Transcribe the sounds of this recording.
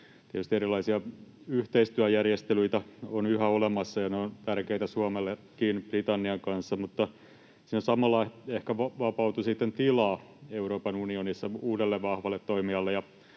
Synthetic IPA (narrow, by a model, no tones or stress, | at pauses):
t̪iɛt̪yst̪ieɾilˑɑisiɑyht̪eist̪yæjærjest̪elyit̪æonyhæolemɑsːɑjɑneont̪ærkeit̪æsuɑmelːekkːiːnb̥rit̪ɑnːiɑŋkɑnsːɑmut̪ːɑ | sinosɑmɑlːɑehkæʋɑʋɑpɑut̪usit̪ːent̪ilɑːeuroːpɑnunionisːɑuːdelːeʋʋɑhʋɑlːet̪toimiɑlːejɑ